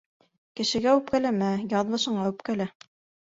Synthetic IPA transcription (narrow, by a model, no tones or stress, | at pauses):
kɘ̆ʃɘ̆ɡæʉp̚kælæmæjɑðmɤ̆ʃɤ̆ɴɢɑʉpkælæ